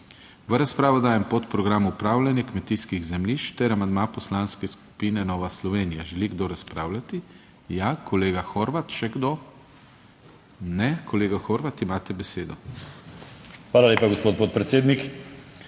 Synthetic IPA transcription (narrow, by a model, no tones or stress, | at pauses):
ʋəɾaspɾaːʋɔd̪aːjɛmpot̪pɾɔɡɾamuupɾaːwlʲanjɛkmɛt̪iskiɣzɛmliʃt̪ɛɾamand̪mapɔslaːnskɛsku̥piːnɛnɔːʋaslɔʋeːnija̰ʒɛliɡd̪oɾaspɾa̰ːwlat̪i | jakʰɔleːɡaxoːɾʋat̪ʃɛɡd̪o | nɛkʰɔleːɡaxoːɾʋat̪imaːt̪ɛbɛseːd̪ɔ | xʋaːlalʲeːpaɡospoːt̪̚poːt̪̚pɾɛt̪seːd̪nik